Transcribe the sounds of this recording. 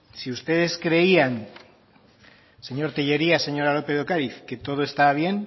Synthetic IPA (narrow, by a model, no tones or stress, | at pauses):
siust̪e̞ð̞e̞skɾe̞ian | se̞ɲo̞ɾt̪iʎe̞ɾiase̞ɲo̞ɾalo̞pe̞ð̞o̞kaɾiθke̞t̪o̞ð̞o̞e̞st̪aβ̞je̞n